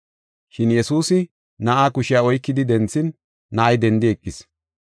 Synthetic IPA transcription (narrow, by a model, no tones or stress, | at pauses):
ʃɪnjɛsuːsɪ | nɐʔaːkʊʃɪjaɔjkːɪd̪ɪd̪ɛnt͡sːɪnː | ɐʔɐjd̪ɛnd̪ɪɛkʼːɪs